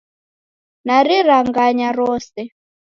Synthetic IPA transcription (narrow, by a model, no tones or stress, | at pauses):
naɾiɾaŋɡaɲaɾɔːsɛ